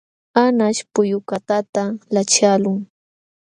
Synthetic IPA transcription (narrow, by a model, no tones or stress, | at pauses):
anaʃpʊjʊkat̪at̪alat͡ʃalʊŋ